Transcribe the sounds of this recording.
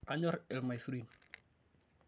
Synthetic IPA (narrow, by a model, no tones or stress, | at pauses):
aɲɔɾɛlmajsuɾin